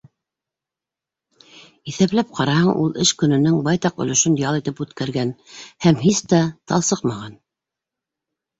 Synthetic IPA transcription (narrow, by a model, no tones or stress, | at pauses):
iθæplæp̚qʰɑɾɑhɤɴʔulˠɘʃkɵ̆nɵ̆nɘŋbɑjt̪ɑqɵ̰̆lɵ̆ʃɵnd̪jɑlˠit̪ɘpʉt̪kæɾɡænhæmɦist̪æt̪ʰɑlˠsɤqmɑʁɑn